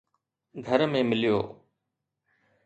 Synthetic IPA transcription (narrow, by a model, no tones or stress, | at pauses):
ɡʱəɾmẽːmɪlɪjo̰ː